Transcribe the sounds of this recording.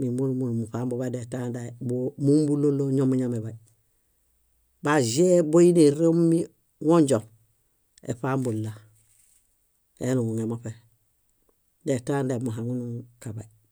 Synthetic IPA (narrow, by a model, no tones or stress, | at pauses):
mimunumulumupaːmbobadetandabomumbuloloɲomuɲamebai | bazebojineɾemːi | woɲɟoŋ | ḛpaːmbolːa | enuŋuŋemope | detaːndamuɦaŋunukabai